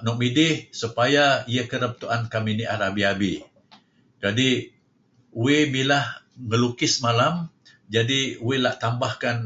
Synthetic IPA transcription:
nɔk̚midɪhsupajaiakəɾəp̚t̪uʔankaminiʔaɾabiabi | d͡ʒadi | uemilah | ŋəlukɪsmalam | d͡ʒadiuelaʔt̪ambahkan

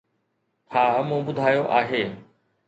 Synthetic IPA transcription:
tʰaːmũːbʊd̪ʱaːjoʔaːɦeː

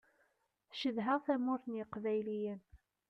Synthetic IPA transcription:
θʃəðɦəʁθæmʊɾθnjəqvæjlijən

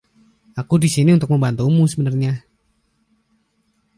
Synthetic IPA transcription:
akudisiniunt̪ʊk̚məmbant̪umusəbənərɲa

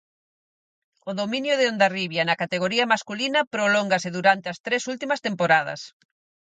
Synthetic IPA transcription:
ʊðomĩnjʊðeond̪ariβjɐnɐkat̪eɣ̞oɾiɐmaskulinɐpɾoloŋɡɐsɪðuɾant̪eɐst̪ɾesult̪imɐst̪empoɾað̞ɐ̰s

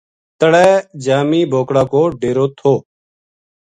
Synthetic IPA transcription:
t̪əɽɛːd͡ʒaːmiːbʱoːkɽaːkoːɖeːɾoːt̪ʰoː

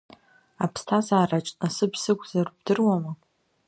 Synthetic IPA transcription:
apʰstʰazaːrat͡ʃʼasɨbsɨkʷʰʼzarbdɨrwama

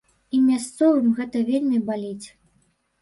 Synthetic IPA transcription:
imʲast̪sɔvɨmɣɛt̪ɐvʲelʲmʲibalʲit͡sʲ

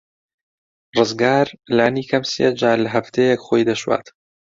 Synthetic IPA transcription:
rɨzɡaːɾlaːniːkʰɐmsḛːd͡ʒaːlɐɦɐft̪ʰeːjɛkχoːjd̪ɐʃwa̰ːt̪

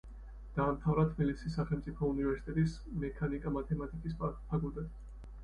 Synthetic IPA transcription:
d̪̥aːmt̪ʰavɾat̪ʰmilisisːaχɛlˠmt̪sʼipʰɔunivɛɾsi̥t̪ʼɛt̪ʼis | mɛkʰanikʼamat̪ʰɛmat̪ʼikʼisppʰakʼulˠt̪ʼɛt̪

